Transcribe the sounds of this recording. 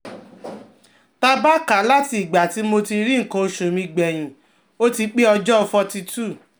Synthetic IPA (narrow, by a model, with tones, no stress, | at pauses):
ta˧ba˦ka˨˦la˦ti˧˨ɡ͡ba˨ti˨˧˦mo˧ti˧ɾi˦ŋ̩˨kõ˧˨ʃũ˨mĩ˧ɡ͡bɛ˨j̃ĩ˨ | o˦ti˧k͡pe˦ɔ˧d͡ʒɔ˦˧fɔ˧ti˧tu˦˨